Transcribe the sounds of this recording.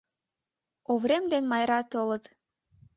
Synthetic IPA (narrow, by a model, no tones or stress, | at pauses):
ovɾemd̪enmɑjɾɑt̪olət̪